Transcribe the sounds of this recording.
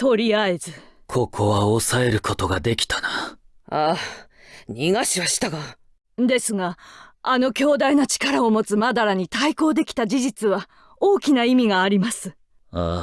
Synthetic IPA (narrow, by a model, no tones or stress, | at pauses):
t̪o̞ɾʲiae̞zɨkʰo̞kʰo̞βaosae̞ɾɯ̟kʰo̞t̪o̞ɡad̪e̞kʲi̥t̪ana | aː | ɲʲiŋaɕiβaɕi̥t̪aɡa | d̪e̞sɨɡaːno̞kʲo̞ːd̪ainot͡ɕi̥kaɾao̞mo̞t͡sɨmad̪aɾaɲ̟it̪aiko̞ːd̪e̞kʲi̥t̪ad͡ʑiʑit͡sɨβa | oːkʲinaimʲiɡaːɾʲimasɨ | aː